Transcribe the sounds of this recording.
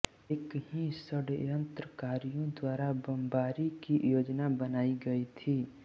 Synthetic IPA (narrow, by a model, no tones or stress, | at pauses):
eːkɦisəɽɪ̰ɾə̃nt̪ɾəkaːɾijõd̪waːɾabəmbaːɾikijoːd͡ʒnabənaːiɡɐit̪ʰiː